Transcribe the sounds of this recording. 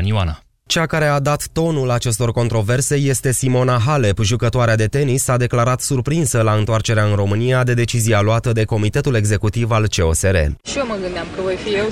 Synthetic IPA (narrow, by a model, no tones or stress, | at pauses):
niwana | t͡ʃeakaɾe̞ad̪at̪ːo̞nulat͡ʃe̞st̪o̞rko̞nt̪ɾo̞ve̞rse̞je̞st̪e̞simo̞naɦale̞pʒukət̪oaɾead̪e̞t̪e̞nisad̪e̞klaɾat̪surpɾinsəlaɨnt̪oart͡ʃe̞ɾeaɨnro̞mɨnijad̪e̞d̪e̞t͡ʃizialoat̪əd̪e̞ko̞mit̪e̞t̪ule̞ɡze̞kut̪ivalt͡ʃe̞o̞̰se̞ɾe̞̰ʃioməɡɨnd̪eamkəvo̞jfije̞w